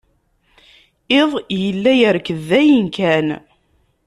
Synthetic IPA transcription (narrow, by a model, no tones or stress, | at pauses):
eðˤjjəlːæjəɾkəðːæjənkæn